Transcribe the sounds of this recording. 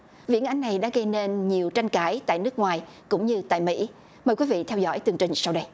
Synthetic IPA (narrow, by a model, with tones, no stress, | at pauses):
vḭ˧˥ənʔa˨˧˦jŋ̟na˨˩jɗa̰ː˧˥ɣə˧jne˧nɲi˨˩əwt͡ɕa˧jŋ̟kaː˧˩˦jt̪a̰ː˧˨jnɨ˦˥ək̚ŋwaː˨˩jkʊ̰˧˥ŋ͡mɲɨ˧t̪a̰ː˧˨jmḭ˧˥ | məː˨˩jkwi˨˦vḭ˧˨t̪ʰɛ˧wzɔ̰˧˥jt̪ɨ˨˩əŋt͡ɕï˨˩ŋ̟sa˧wɗə˧j